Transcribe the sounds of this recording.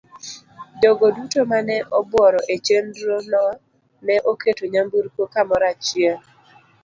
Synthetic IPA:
doɡodutomanɛʔɔbwɔɾɔʔet͡ʃendɾonɔ | nɛʔoketoɲambuɾkokamɔɾat͡ʃje

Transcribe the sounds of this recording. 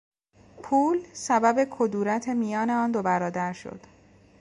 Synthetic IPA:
pʰuːlsæbæbe̞kʰod̪uːɾæt̪ʰe̞mijɒːneɒːnd̪o̞bæɾɒːd̪æɾʃo̰d̪̥

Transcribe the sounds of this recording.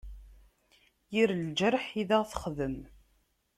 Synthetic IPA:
jiɾld͡ʒəɾħiðæʁθə̥χðəm

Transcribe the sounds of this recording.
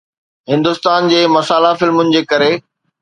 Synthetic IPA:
ɦɪ̃nd̪ʊst̪aːnd͡ʑeːmɐsaːlafɪlmʊnɪ̆d͡ʑeːkɐɾeː

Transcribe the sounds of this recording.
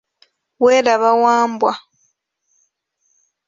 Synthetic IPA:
weɾaβawaːmbwa

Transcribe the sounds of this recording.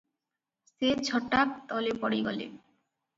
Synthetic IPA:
set͡ɕʰɔʈak̚t̪ɔlepɔɽiɡɔ̰lḛ

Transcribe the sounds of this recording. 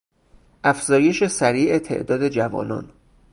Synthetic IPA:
ʔæfz̥ɒːje̞ʃesæɾiːʔet̪ʰḛʔd̪ɒːd̪e̞d͡ʒævɒ̰ːnɒ̰ːn

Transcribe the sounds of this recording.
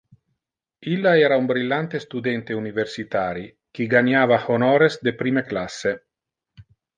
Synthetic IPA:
ilːaɛːɾaumbɾilːant̪est̪ud̪ent̪euniversit̪aːɾi | k̟iɡaɲaːvahonɔːɾesd̪epɾiːmeklasːe

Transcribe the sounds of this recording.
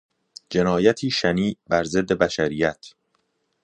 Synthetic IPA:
d͡ʒe̞nɒːjæt̪ʰiːʃæniːbæɾze̞d̪ːe̞bæʃæɾiːjæt̪ʰ

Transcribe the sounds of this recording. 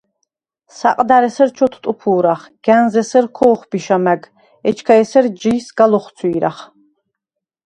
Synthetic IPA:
saqʼd̪aɾɛsɛɾt͡ʃʰɔt̪ʰt̪ʼupʰuːɾaχɡ̥ænzɛsɛɾkʰɔːχbiʃamæɡ | ɛt͡ʃʰkʰaɛsɛɾd͡ʒiːsɡalɔχsʰwiːɾaχ

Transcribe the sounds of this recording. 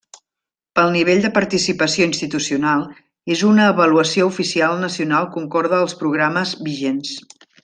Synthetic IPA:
pəlˠniβ̞eʎʲd̪əpəɾt̪isipəsioinst̪it̪usiunalˠ | ezunəːβəluəsioufisialˠnəsiunalˠkuŋkɔɾð̞əːlˠspɾuɣ̞ɾaməzβiʒens

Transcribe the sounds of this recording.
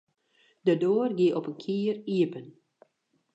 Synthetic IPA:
dədoːrɡiəʔɔpənkʰiːəriəpən

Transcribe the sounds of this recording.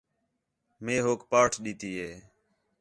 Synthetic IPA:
meːɦoːkpaːʈʰɗiːt̪iːɦeː

